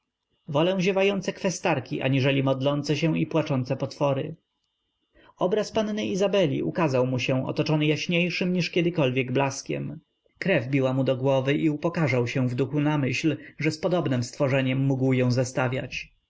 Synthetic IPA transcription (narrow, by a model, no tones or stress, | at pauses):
vɔlɛ̃ʑɛvajɔnt̪sɛkfɛst̪aɾkʲiʔa̰ɲiʐɛlʲimɔd̪lɔnt̪sɛɕɛ̃w̃ipwat͡ʂɔnt̪sɛpɔt̪fɔɾɘ̰ | ɔbɾaspannɘizabɛlʲḭʔukazawmuɕɛ̃ɔ̰t̪ɔt͡ʂɔnɘjaɕɲejʂɘmɲiʂkʲɛd̪ɘkɔlvʲjɛɡblaskʲɛ̰m | kɾɛvbʲiwamud̪ɔɡwɔvɘʔiupɔkaʐawɕɛ̃vd̪uxunamɘɕlʐɛspɔd̪ɔbnɘmst̪fɔʐɛɲɛmːuɡwjɔ̃w̃zast̪avʲja̰t͡ɕ